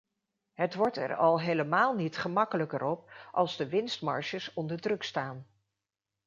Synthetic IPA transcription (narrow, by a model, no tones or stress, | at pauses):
ɦətʋɔɹtɛ̰ɹɑlˠɦejləmaːlˠnitχəmɑkələkəɾɔp̚ʔɑlˠzdəʋɪnstmɑ̰ɹʃəsɔndəɹdrɵkstaːn